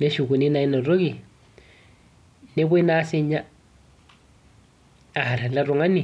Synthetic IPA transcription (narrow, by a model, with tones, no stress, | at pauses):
ne˦ʃu˨ku˨ni˦na˨i˦nɔ˨ɾo˦ɣi˨ | ne˦βwe˦na˦se˦ɲa˦ | a˨a˨ɾa˨la˦ɾɔ˨ŋa˦ni˨